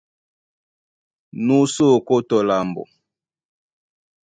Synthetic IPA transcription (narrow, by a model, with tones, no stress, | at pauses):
nu˦so˦˨ko˦tɔ˨la˨mbɔ̰˨